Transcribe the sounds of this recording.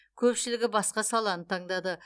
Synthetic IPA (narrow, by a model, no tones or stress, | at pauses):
kʲʰɵpʃɪlɪɡʲɪbɑsqɑsɑlˠɑnət̪ʰɑɴd̪ɑd̪ə